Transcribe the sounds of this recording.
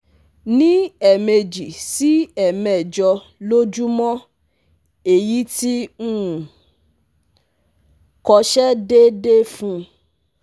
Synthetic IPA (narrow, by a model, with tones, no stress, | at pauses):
nĩ˦ɛ˨me˧d͡ʒi˨si˦ɛ˨mɛ̃˨d͡ʒɔ˧ | lo˦d͡ʒu˦mɔ̃˦ | e˨ji˦ti˦ũ˦˨ | kɔ˧ʃɛ˦de˦de˦fũ˦